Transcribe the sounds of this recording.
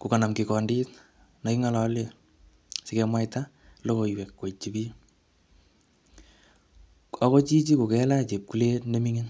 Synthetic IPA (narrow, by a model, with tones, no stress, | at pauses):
ku˨ka˨na˨mki˨kɔ˨ndi˦t | nɑ˨ki˦ŋa˦lɔ˨le˨ | sikɛ˧mwa˦jta | lo˦ko˨jwɛ˨kko˨it͡ʃːi˨bi˦ | ɔ˦ko˦t͡ʃi˦t͡ʃi˦ku˨kɛ˦la˦t͡ʃi˨p̚ku˦le˦ndemi˦ŋe˦n